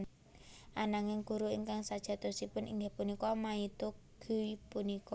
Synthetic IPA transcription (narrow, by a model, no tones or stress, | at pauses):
n | ʔanaŋɪŋɡ̥ṳɾuḭŋkaŋsad̥ʒ̥a̤t̪ɔsipʊnḭŋɡehpunikɔmait̪u | ɡ̥ṳwipunikɔ